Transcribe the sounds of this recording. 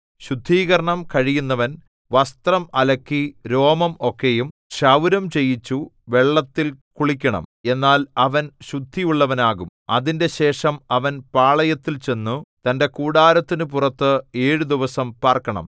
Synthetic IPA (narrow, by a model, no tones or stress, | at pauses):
ɕud̪ʱːiːɣɐɾɐɳɐmkɐɻijunːɐʋɐn | ʋɐst̪rɐmɐlɐkːiɾo̞ːmɐmo̞kːe̞jum | ʂɐwɾɐmt͡ɕe̞jːit͡ɕːuʋe̞ɭːɐt̪ːilkuɭik̬ʲːɐɳɐ̰me̞nːaːlɐʋɐnɕud̪ʱːijuɭːɐʋɐnaːɣum | ɐðinde̞ɕe̞ːʂɐmɐʋɐnpaːɭɐjɐt̪ːilt͡ɕe̞nːut̪ɐnde̞kuːɽaːɾɐt̪ːinɨpurɐt̪ːɨe̞ːɻud̪iʋɐsɐmpaːrkːɐɳɐ̰m